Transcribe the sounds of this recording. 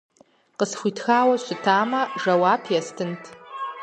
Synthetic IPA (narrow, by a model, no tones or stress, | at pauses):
qəsχʷitʰxawaɕʷɪtʰaːmaʐɐwapʰjastʰɨntʰ